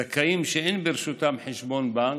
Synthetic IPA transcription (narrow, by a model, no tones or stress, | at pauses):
akaimʃeenbeɾʃut̪amħeʃbo̞nba